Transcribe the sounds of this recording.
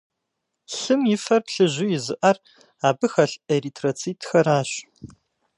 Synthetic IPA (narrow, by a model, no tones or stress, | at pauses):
ɬɨmjɪfɐrpɬɨʑʊjɪzɨʔɐr | aːbɨxɐɬeritʰrot͡sʰiːtʰxɐɾaːɕ